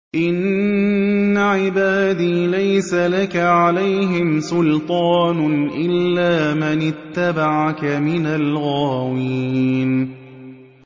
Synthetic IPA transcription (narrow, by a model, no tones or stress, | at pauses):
ʔɪnː | aʕɪbaːd̪iːlajsalakaʕalajɦɪmsʊlt̪ˤɑːnʔɪlːaːmɪnɪt̪ːabaʕakamɪnalɣaːwin